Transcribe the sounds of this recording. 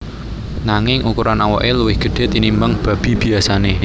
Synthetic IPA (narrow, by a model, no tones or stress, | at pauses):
naŋɪŋʔukuɾanawɔʔeluwɪhɡ̥ə̤ɖ̥e̤t̪inimbəŋb̥ä̤b̥i̤b̥i̤asane